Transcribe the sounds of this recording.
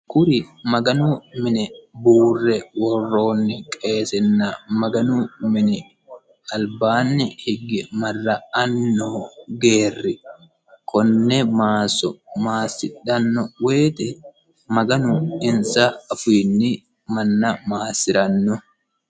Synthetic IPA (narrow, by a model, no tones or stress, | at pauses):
kʊɾɪmɐɡɐnʊmɪnɛbuːrːɛwɔrːo̞ːnːɪkʼe̞ːsɛnːɐmɐɡɐnʊmɪnɪ | ɐlbaːnːɪhɪɡɪmɐrːɐɐnːoɡeːrːɪ | kʰɔnːɛmaːsːɔmaːsːɪᶑɐnːɔwe̞ːt̪ɛ | mɐɡɐnʊɪnsɐːfiːnːɪ | mɐnːɐmaːsɪɾɐnːɔ